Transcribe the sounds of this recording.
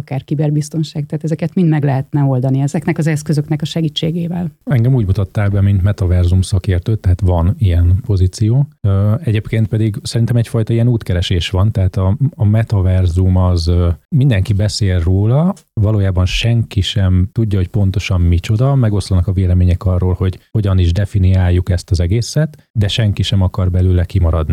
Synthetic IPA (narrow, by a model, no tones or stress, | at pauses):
kaːrkibɛrbist̪o̞nʃaːkt̪aːt̪ɛzɛkɛt̪mind̪mɛɡlɛɦɛt̪nɛo̞ld̪ɒniɛzɛknɛkɒzɛskøzøknɛkɒʃɛɡiːt͡ʃːeːɡeːvɛlɛŋɡɛmuːɟmut̪ɒt̪ːaːlbɛmint̪mɛt̪ɒvɛrzumsɒkeːrt̪øːt̪ːɛɦaːt̪ʋɒnijɛnpo̞ziːt̪sijoːøɛɟeːpkeːnt̪̚pɛd̪iɡsɛɾint̪ɛmɛcfɒjt̪ɒijɛnuːt̪kɛɾɛʃeːʃʋɒnt̪ɛɦaːt̪ɒːmɛt̪ɒvɛrzumɒzmind̪ɛŋkibɛseːlroːlɒ | vɒloːjaːbɒnʃɛŋkiʃɛmt̪uɟːɒɦo̞c̚pont̪o̞ʃɒmmit͡ʃo̞d̪ɒmɛɡo̞slɒnɒkɒveːlɛmeːɲɛkɒrːoːlho̞ɟho̞ɟɒniʒd̪ɛfiniaːjːukɛst̪ɒzɛɡeːsɛt̪ | d̪ɛʃɛŋkiʃɛmɒkɒrbɛlyːlɛkimɒɾɒd̪ni